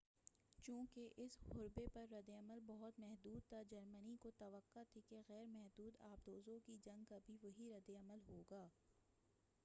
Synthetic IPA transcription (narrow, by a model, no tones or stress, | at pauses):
t͡ʃũːkeʔɪsɣʊɾbepɐɾːɐd̪eɐməlbɐɦʊt̪mɛɦd̪uːd̪̚t̪ʰad͡ʒɐɾmənikot̪ɐʋəqːat̪ʰikeɣɛːɾmɛɦd̪uːd̪aːb̚d̪oːzõkid͡ʒɐ̃ŋɡkabʱiʋɐɦiɾɐd̪eɐməlɦoːɡaː